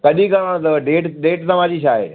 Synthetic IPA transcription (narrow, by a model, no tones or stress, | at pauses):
kɐɗĩkɐɾãɽ̃t̪ɐɖeːʈɗeːʈt̪ɐʋ̤ãd͡ʑiʃaːeɗ